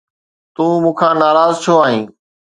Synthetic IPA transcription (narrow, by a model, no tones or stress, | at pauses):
t̪ũːmũːkʰãːnaːɾaːzt͡ʃʰoaːɦĩː